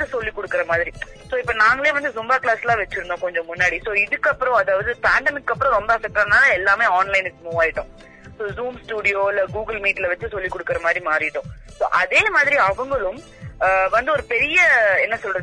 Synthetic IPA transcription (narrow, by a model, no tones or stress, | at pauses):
ɯsɔlːikːɔɽɯkːɪɾɐmaːðɪɾi | soːɪpːɐnaːŋɡɐɭeːʋɐnd̪ɯsʊmbaːklaːslaːʋɛt͡ʃːɯɾɯnd̪õːkɔɲd͡ʒɔ̃mʊnːaːɽisoːɪðɯkːɐpːɯɾɔ̃ɐðaːʋɐðɯpaːɳɖɐmɪkːɐpːɯɾɔ̃ɾɔmbɐɐsɛk̚ʈaːnaːlɐɛlːaːmeːaːnlɐɪnɯkːɯmuːʋaːjɪʈːʊ̃ | soːzuːmsʈuːɽɪjoːɪlɡuːɡɐlmiːʈlɐʋɐt͡ʃːɯsɔlːikːɔɽɯkːɪɾɐmaːðɪɾimaːɾɪʈːʊ̃ | so̰ːʔɐðeːmaːðɪɾiɐʋɐŋɡɐɭɯ̃m | ʋɐnd̪ɯɔɾɯpɛɾɪjɐɛnːɐsɔlɾɐð